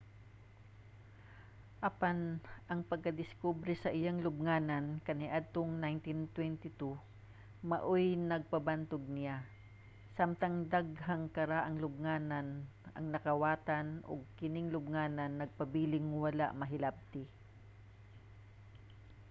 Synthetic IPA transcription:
ʔɐpanʔɐŋpɐɡ̚kɐd̪ɪskubɾɛsɐʔɪjaŋlʊb̚ŋaːnɐnkɐnɪʔad̪̚t̪oŋnajnt̪ɪnt̪wɛnt̪ɪt̪u | mɐʔojnɐɡ̚pɐbant̪ʊɡ̚nɪja | samt̪ɐŋd̪aɡɦaŋkɐɾaʔɐŋlʊb̚ŋaːnɐn | ɐ̰ŋnɐkɐwaːt̪anʔo̰ɡ̚kɪnɪŋlʊbŋaːnɐnːɐɡ̚pɐbiːlɪŋwɐla̰ʔmɐɦɪlab̚t̪ɪ

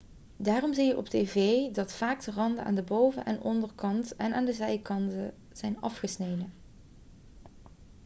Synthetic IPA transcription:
daːrɔmzijəʔɔp̚teːvejdɑtfaːkdərɑndəa̰ːndəbowvə̰ʔɛ̰nʔɔndərkɑntɛnaːndəzɛjkɑntə | z̥ɛjnɑ̰fχəsnejdən

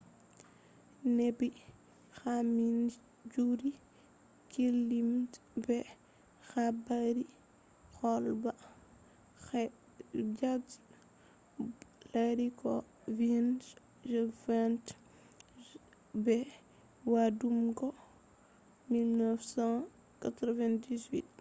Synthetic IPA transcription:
nɛbi | xamin | d͡ʒuɾi | kilːimtbɛ | xabaɾi | xɔlba | xɛ | d͡ʒat | laɾikɔ | vin | ʒɛvant | bɛ | wadumkɔ | milnəfsã | katɾɔvɛndizwḭt̚

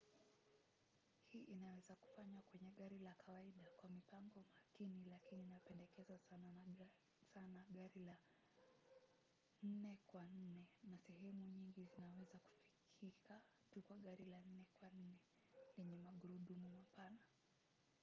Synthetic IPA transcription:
hiːʔinawɛzaku̥faɲwakwɛɲɛɠaɾilakʰawaiɗakwamipaŋɡɔmakinilakininapɛndɛkɛzasana | sanaɠaɾila | n̩nɛkwan̩nɛnasɛɦɛmuɲiŋɡizinawɛzaku̥fi̥kʰika | tukwaɠaɾilan̩nɛkwan̩nɛ | liɲɛmaɠuɾuɗumumapana

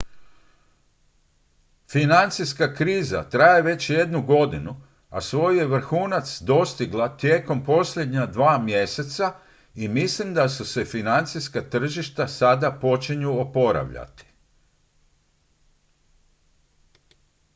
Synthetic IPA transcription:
finant̪siskakɾiːza̰t̪ɾajeʋe̞t͡ɕje̞d̪nuɡo̞d̪inu | a̰sʋo̞jjeʋr̩xuːnat̪sd̪o̞st̪iɡlˠat̪jeːko̞mpo̞sʎʲjed̪ɲad̪ʋaːmje̞se̞t̪sa | imislimd̪asuse̞finant̪siskat̪r̩ʒiʃt̪asad̪apo̞t͡ʃiɲuopo̞ɾa̰ʋʎa̰t̪i̥

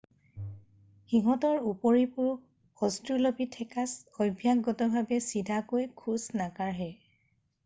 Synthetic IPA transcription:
xiɦɔtɔɹupɔɹipʊɹ | xɔstulobitʰɛkasɔjbʱjaɡɔtɔbʱabɛsidʱakojkʰusnakaɹɦɛ

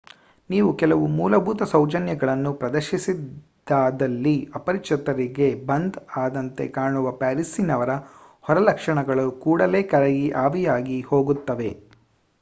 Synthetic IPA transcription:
niːʋukɛlɐʋumuːlɐbʱuːt̪ɐsɐwd͡ʒɐnjɐɡɐɭɐnːupɾɐd̪ɐɾʃisid̪ | d̪aːd̪ɐlːiɐpɐɾikʂɐt̪ɐɾiɡe̞bɐnd̪aːd̪ɐnt̪e̞̰kaːɳuʋɐpaːɾisinɐʋɐɾɐ | hɔɾɐlɐkʂɐɳɐɡɐɭukuːɽɐle̞ːkɐɾeɡiʔaːʋijaːɡiho̞ːɡut̪ːɐʋe

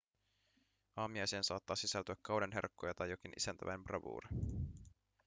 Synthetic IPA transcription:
ʔɑːmiɑjsiensɑːt̪ːɑːsisælt̪yækːɑwɾenɦḛrkːo̞jɑt̪ɑjːo̞kinʔḭsænt̪æʋʔæ̰jmprɑʋṵːɾi

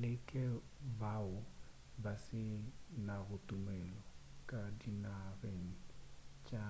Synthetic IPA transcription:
lɪkʼɛ | baʊ | basɪnaɣʊtʼʊmɛlɔkʼadinareŋ̩t͡ʃʼa

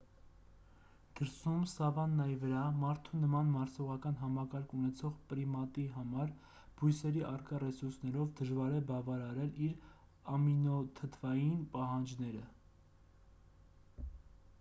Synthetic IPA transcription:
d̪̥əɾsumsɑvɑnːɑjivəɾɑmɑɾt̪ʰunəmɑnmɑɾsɔʁɑkɑnɦɑmɑkɑɾkʰunɛt͡sʰɔʁpɾimɑt̪iɦɑmɑɾ | b̥ujsɛɾiʔɑrkɑrɛsuɾsnɛɾɔvd̪əʒvɑɾɛbɑvɑɾɑɾɛliɾ | ɑminɔt̪ʰət̪ʰvɑjinpɑɦɑnd͡ʒnɛɾə

